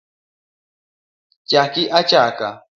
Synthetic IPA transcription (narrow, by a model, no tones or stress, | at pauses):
t͡ʃakiʔat͡ʃaka̰